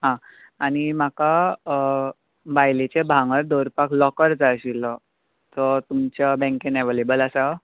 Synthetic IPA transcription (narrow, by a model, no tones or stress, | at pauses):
ɦã | añimaka | bajlet͡ɕebʱãŋɡəɾd̪oɾpakʰlɔkəɾd͡zaɕilɔ | t̪ɔt̪umt͡ɕabɛ̃ŋkeneʋelebəlasa